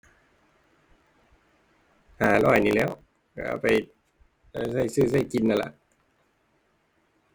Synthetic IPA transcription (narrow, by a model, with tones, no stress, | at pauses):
haː˩˦lɔː˧˩jniː˧˩lɛː˦˥˩w | ka̰˧˩pa˨j | aː˧˩sa˥˩jsɯː˥˩sa˥˩jki˧nʔa˧˨la̰˧˨ʔ